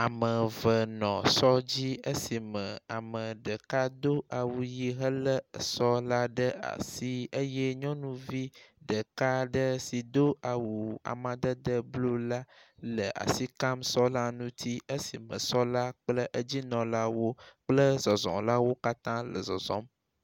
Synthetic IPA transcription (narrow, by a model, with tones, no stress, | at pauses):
a˨mə˨və˨nɔ̃˨sɔ˦d͡ʑi˦ə˦si˨mə̃˨a˨mə˨ɖə˨ka˦d̪o˦a˨wu˨ji˦ɦə˦lə˦ə̰˨sɔ˦la˦ɖə˦a̰˨si˦ə˦jɛ˦ɲɔ̃˦nũ˦vi˦ɖə˨ka˦ɖə˦si˨d̪o˦a˨wu˨a̰˨mã˨d̪ə˦d̪ə˦blo˦la˦lə˨ʔa̰˨si˦ka˦msɔ˦la˦nũ˦t̪ʰi˦ə˦si˨mə̰̃˨sɔ˦la˦k͡plə˦ʔə˦d͡ʑi˦nɔ̃˨la˦wo˦k͡plə˦zɔ˨zɔ̰̃˨la˦wo˦ka˦t̪ã˦lə̰˨zɔ̰˨zɔ̰̃˦m